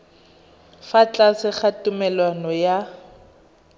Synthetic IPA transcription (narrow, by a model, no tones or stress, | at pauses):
fat͡ɬʼasɪχatʊmɛlwanɔja